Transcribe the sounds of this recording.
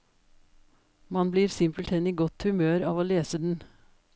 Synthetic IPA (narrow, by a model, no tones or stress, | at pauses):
mɑnbliːɾsɪmpəlt̪ʰɛniːɡɔt̪hʉmøːɾɑːʋoːleːsəd̪n̩